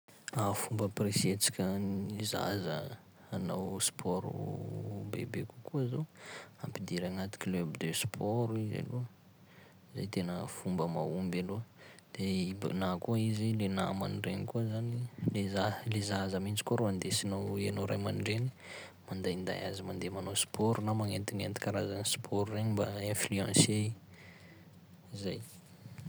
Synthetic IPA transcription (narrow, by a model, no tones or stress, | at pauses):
afumbəpresiet͡si̥kʲəniza̰zə | anawspʰɔɾṵbḛbekukuzoampid̪iɾaŋat̪i̥kʲilebid̪øspʰɔɾuiza̰lu | iza̰jt̪enəfumbəma̰umbalod̪̥ebnakuizilena̰ma̰niɖ͡ʐenikuəzanilezalezazamind͡ʒi̥kuaɾuand̪esinawianoɾajmanɖ͡ʐeni̥ | mand̪aind̪a̰ja̰zimand̪emanospʰɔɾunamaŋent̪iŋent̪i̥kaɾazanispʰɔɾureɲmba̰ẽflyãse | zaj